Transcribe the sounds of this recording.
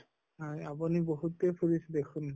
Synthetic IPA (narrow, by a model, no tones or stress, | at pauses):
ɦajabɔniboɦutepʰuɹisd̪ekʰun